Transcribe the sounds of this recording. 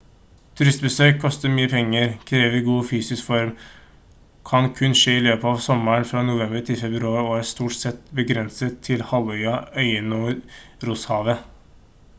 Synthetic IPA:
t̪ʰʉɾɪst̪̚bəsøːkʰːɔst̪əɾmyːəpʰɛŋːəɾkʰɾeːʋəɪɡuːfyːsɪskfɔɾm | kʰɑnkʰʉnʂeːɪløːpəɑːʋsɔməɳfɾɑːnʊʋɛmbəɾʈ̪ʰɪlfɛbɾʉɑːɾɔæːɾst̪uːʈsɛt̪bəɡɾɛnsət̪ʰːɪlhɑlœʏɑœʏənoːɾʊshɑːʋə

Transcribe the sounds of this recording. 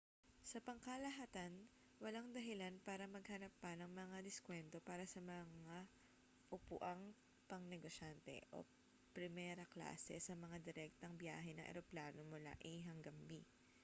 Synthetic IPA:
sɐpɐŋkɐlɐɦat̪ɐn | wɐlaŋd̪ɐɦɪlanpaːɾɐmɐɡ̚hɐnɐpːɐnɐŋmɐŋad̪ɪskwɛnt̪o̞paːɾɐsɐmɐŋa | ʔʊpʊ̰ʔɐŋ | pɐŋnɛɡoʃant̪ɛ̰ʔo̞̰ | pɾɪmɛːɾɐkla̰ːsɛ̰sɐmɐŋad̪ɛɾɛk̚t̪ɐŋbja̰ːɦɛnɐŋʔɛ̰ɾoplaːno̞mʊla̰ʔɛɦɐŋɡɐmbi

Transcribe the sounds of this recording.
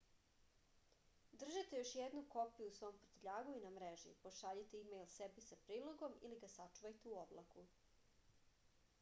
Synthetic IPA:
d̪r̩ʒit̪e̞jo̞ʃjed̪nuko̞pijuusʋo̞jompɾo̥t̪eʎaːɡuinamɾeʒḭpo̞ʃaʎit̪eimejlsebisapɾiːlˠoɡo̞miliɡasat͡ʃuʋajt̪euoblˠaku

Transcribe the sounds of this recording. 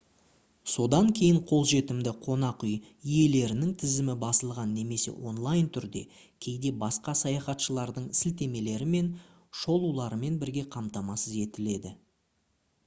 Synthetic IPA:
so̞d̪ɑŋkʲʰe̞jɪɴqʰo̞lˠʒe̞t̪ɪmd̪ɪqʰo̞nɑqʏj | ije̞le̞ɾɪnɪŋt̪ʰɪzɪmɪbɑsəlˠʁɑnːe̞me̞se̞̰wo̞̰nlˠajnt̪ʰʏɾd̪e̞̰ | kʲʰe̞jd̪e̞bɑsqɑsɑjɑχɑt̪ʃəlˠɑɾd̪əɴsɪlt̪e̞me̞le̞ɾɪme̞n | ʃo̞lˠulˠɑɾəme̞nbɪɾɡʲe̞qʰɑmt̪ɑmɑsəze̞t̪ɪle̞d̪ɪ

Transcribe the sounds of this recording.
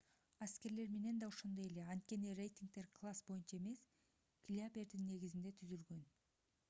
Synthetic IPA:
aske̞ɾle̞ɾme̞ne̞nd̪ɑoʃond̪oje̞le̞ɑnt̪̚kʲe̞nire̞jt̪ʲiŋk̚t̪e̞ɾkʰlˠasbo̞junt͡ʃae̞me̞s | klʲiapʲe̞ɾd̪inːe̞ɡizind̪e̞t̪ʰyzylɡø̞n

